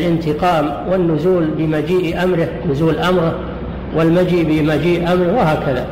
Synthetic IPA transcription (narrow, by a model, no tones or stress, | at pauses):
lʔɪnt̪ɪqɑːm | wɪnːʊzuːlbɪmad͡ʒiːʔʔamɾɪhnʊzuːlʔamɾɪ | wɪlmad͡ʒiːʔbɪmad͡ʒiːʔʔamɾɪhwɪɦaːkaða